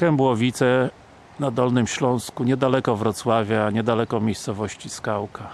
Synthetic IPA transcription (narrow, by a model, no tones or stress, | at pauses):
kɛmbwɔvʲit̪sɛ | nad̪ɔlnɘmɕlɔ̃w̃skuɲɛd̪alɛkɔvɾɔt̪swavʲjaɲɛd̪alɛkɔmʲjejst̪sɔvɔɕt͡ɕiskawka